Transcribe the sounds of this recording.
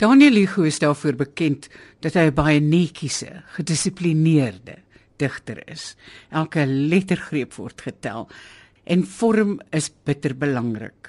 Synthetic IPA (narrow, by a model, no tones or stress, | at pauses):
d̥ɑːniəliχuəsdɑːrfuərbəkɛntd̥ɐtɦəjəbɐjənɛkʰisə̰χədəsipliniərdə̰ | d̥əχtə̰rə̰sʔælˠkəlɛtərχriəpvɔ̰rtχətæ̰lˠ | ʔɛnfɔɾəməsb̥ətərbəlɐŋrə̰k